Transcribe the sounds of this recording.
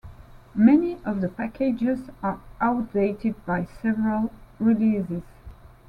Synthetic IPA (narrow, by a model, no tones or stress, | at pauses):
mɛniʔʌvðəpækʰed͡ʒɪzaɹʔaʊt̚d̥eɪtɪd̚bajsɛvəɹəlˠɹiliːzɪz̥